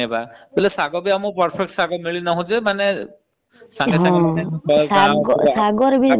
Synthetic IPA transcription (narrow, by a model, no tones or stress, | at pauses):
ebabilɛsaɡɔbɛamupaɾpʰek̚ʈsaɡɔmiɭinaɦũd͡ʒemanɛ | saŋɡeɦsãɡɔsaɡɔsaɡɔɾbi